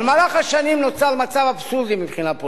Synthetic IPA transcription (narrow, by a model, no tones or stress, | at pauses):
lmalaχaʃanimnot͡salmat͡savabsuʁd̪imipχinapo